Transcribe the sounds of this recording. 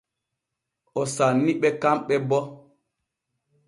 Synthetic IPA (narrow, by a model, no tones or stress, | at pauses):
ɔsanːiɓɛkamɓɛbɔ